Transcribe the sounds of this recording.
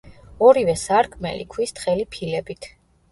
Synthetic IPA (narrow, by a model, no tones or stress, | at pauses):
ɔɾivɛsaɾkʰmɛ̰lḭkʰwist̪χɛlipʰilɛbit̪ʰ